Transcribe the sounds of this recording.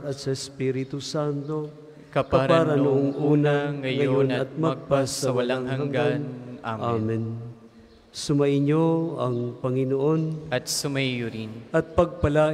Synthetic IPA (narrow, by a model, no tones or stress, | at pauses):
ɐt̪̚sɐɪspiɾɪt̪usant̪o̞ | kpkɐɾpaːɾanʊʔoŋʔunaŋɐjŋɐonɐt̪̚mɐɡ̚pasɐwalaŋahaŋɡanaamɛn | sʊmaʔɪɲoɐŋpɐŋɪnoʔonɐt̪sʊmajʊɾinʔɐt̪̚pɐɡ̚pɐlaː